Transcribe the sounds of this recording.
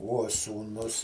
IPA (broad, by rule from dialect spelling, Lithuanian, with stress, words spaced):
uɔ suːˈnʊs